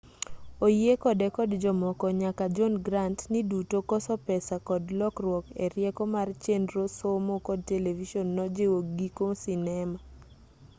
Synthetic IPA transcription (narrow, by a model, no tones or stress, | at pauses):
ojekɔdɛkɔdd͡ʒɔmɔkɔɲakad͡ʒɔnɡɾantnidutokɔsɔpɛsakɔdlɔkrwɔkeɾjɛkɔmart͡ʃendɾosomokɔd̚televiʃɔnːɔd͡ʒewoɡikosinɛma